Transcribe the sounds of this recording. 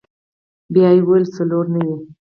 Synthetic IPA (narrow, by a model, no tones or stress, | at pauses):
bjɑjewalsaloɾnawi